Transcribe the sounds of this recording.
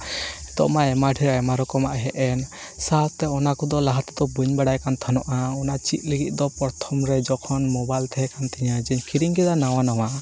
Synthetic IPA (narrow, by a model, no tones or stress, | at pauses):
ɛd̪ɔ̰ʔmaɛmaɖʰʱiɾaɛmaɾɔkɔmaʔɦɛʔɛn | sat̪ɛɔnakɔd̪ɔlaɦat̪ad̪ɔbuɲbaɽajkant̪ʰanɔʔaɔnaʔt͡ʃit̪̚ˀliɡit̪̚ˀd̪ɔpɔɾt̪ʰɔmɾɛd͡ʒɔkʰɔnmɔbajlt̪ʰɛɦɛkant̪ɛɲad͡ʒɛɲkʰiɾiŋkɛd̪anaw̃anawa